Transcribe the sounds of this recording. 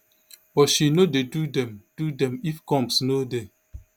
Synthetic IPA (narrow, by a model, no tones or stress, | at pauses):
bɔtʃinodedudɛ̃md̥udɛ̃mifkɔ̃msnode